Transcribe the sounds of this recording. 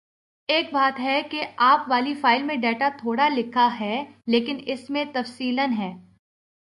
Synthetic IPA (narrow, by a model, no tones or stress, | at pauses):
eːk̚baːt̪ɦɛkeaːpʋaːlifaːɪlmẽɖɛːʈat̪ʰoːɽalɪkʰaɦɛleːkɪnɪsmẽt̪ɐfsiːlənɦɛː